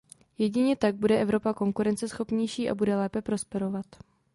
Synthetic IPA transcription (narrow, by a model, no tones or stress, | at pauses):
jɛɟɪɲɛt̪aɡ̚budɛʔɛvɾo̞pako̞ŋkuɾɛnt͡sɛsxo̞pɲɛjʃiːʔa̰budɛlɛːpɛpɾo̞spɛɾo̞vat̪